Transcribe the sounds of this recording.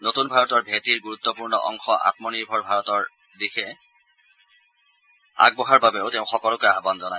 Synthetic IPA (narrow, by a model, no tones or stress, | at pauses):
notunbʱaɹɔtɔɹbʱetiɹɡuɹut̪ːɔpuɹnɔ̰ʔɔ̰ŋxɔʔa̰tmɔniɹbʱɔɹbʱaɹɔtɔɹ | dixɛ | a̰ɡ̚bɔɦaɹbabeʊteʊ̃xɔkɔlʊkojaɦbanzɔnaj